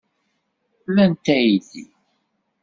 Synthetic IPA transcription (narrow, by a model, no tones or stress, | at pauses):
lænt̪æjiθḭ